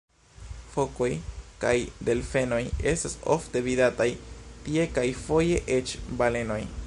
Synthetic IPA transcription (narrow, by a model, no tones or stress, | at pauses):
fo̞ko̞jkajde̞lfe̞no̞je̞staso̰fte̞vidatajtie̞kajfo̞je̞ʔet͡ʃbale̞no̞j